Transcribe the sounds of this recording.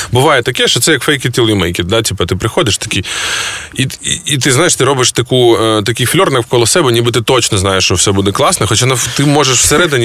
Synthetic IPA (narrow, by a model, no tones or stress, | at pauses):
bʊʋajɛt̪ɐkɛʃɔt̪sɛjɐkfɛjkɪt̪ʲilˠjʊmɛjkʲɪd̪atʲipɐt̪ɪpɾɪxɔd̪ɪʃt̪ɐ̥kʲij | iːt̪ɪznajeʃt̪ɪɾɔbɪʃt̪ɐkut̪ɐkʲɪjflʲɔrnɐkkɔlˠɔsɛbɛnʲibɨt̪ɪt̪ɔt͡ʃnɔznajeʃːt͡ʃɔwsɛbud̪ɛklˠɑsnɐxɔt͡ʃanɐt̪ɪmɔʒeʃw̥seɾɛd̪ɪnʲi